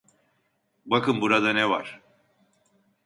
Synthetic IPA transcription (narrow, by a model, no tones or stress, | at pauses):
bakɯmbuɾad̪anɛva̰ɾ̥